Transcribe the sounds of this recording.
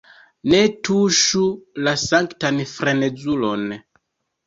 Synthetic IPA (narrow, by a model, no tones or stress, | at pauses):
netuʃulasaŋktanfɾened͡zulon